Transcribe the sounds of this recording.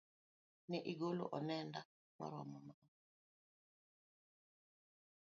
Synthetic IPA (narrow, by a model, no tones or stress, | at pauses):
nɛʔiɡolo̰ʔɔnɛnda | ma̰ɾɔmɔma